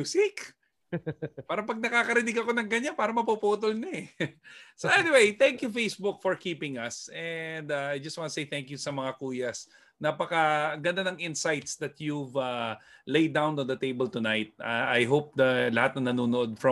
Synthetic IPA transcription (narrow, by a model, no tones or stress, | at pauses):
usɪk | paːɾɐpɐɡ̚nɐkaːkɐɾɪnɪɡɐkonɐŋkɐɲːanpaːɾɐmɐpupuːt̪olnɐɛ | soʔɛnɪwejt̪ɛ̃ŋkjufejsbʊkfɔɹkiːpɪ̃ŋɐsɛnd̪aajd͡ʒɐst̪wãnt̪ɐsejt̪ɛ̃ŋkjusɐmɐŋakuːjɐs | napɐkɐɡɐnd̪anɐŋɪ̃nsajt̪sd̪ɐt̪juvɐlejd̪awnɔ̃nd̪ɐt̪ejbɛlt̪ʊnajt̪̚a̰ʔajɦop̚d̪ɐlɐhat̪̚nɐŋnɐnuːnoʔod̪̚fɐ̃